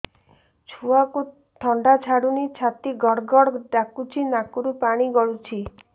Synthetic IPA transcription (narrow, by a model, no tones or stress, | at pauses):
t͡ʃʰuaku | ʈʰɔɳɖat͡ʃʰaɽunit͡ʃʰat̪iɡɔɽɡɔɽɖakut͡ʃʰinakuɾupaɽ̃iɡɔɭut͡ʃʰi